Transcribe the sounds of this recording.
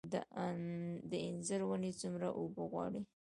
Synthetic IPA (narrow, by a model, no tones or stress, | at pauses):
d̪ | d̪əɪnzəɾwənet͡sumɾaʔobəɣwɑ̰ɽi